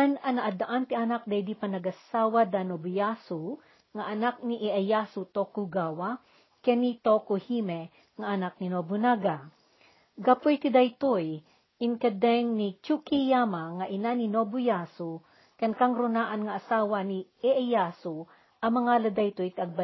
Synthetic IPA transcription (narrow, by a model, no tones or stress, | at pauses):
anɐnɐʔad̪aʔant̪ɪʔanak̚d̪ɐjd̪ipɐnɐɡɐsaːwad̪anobʊjasʊ | ŋaʔɐnak̚niʔɛʔajasʊt̪okuɡawa | kɛnit̪okuhimɛ | ŋaʔɐnak̚ninobʊnaɡa | ɡapʊjt̪ɪd̪ajt̪oj | ʔɪŋkɐd̪ɛŋnit͡ʃukijamaŋaʔɪnaninobʊjasu | kɐnkaŋɾʊnaːʔɐnŋaʔːsaːwani | ɛʔajasu | ʔɐmɐŋalɐd̪ajt̪ojt̪iʔɐɡ̚ba